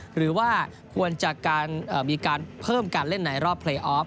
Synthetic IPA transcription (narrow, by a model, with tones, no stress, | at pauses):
ɾɯː˩˦waː˥˩kʰu˧ənt͡ɕa˨˩ʔkaː˧nʔəː˨˩miː˧kaː˧npʰɤː˥˩mka˧nle˥˩nːa˩˦jɾɔː˥˩pʰleː˧ʔɔː˦˥p̚